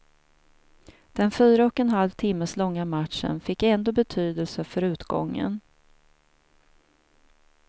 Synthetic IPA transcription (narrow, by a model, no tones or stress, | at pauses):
d̪̥ɛnfyːɾaɔkɛnɦalvt̪ʰɪmːəslɔŋːamat̪ʂə̰nfɪkːɛnd̪oːbɛt̪ʰyːd̪əlsəfœɾʉ̟ːt̪ɡɔ̰ŋːə̰n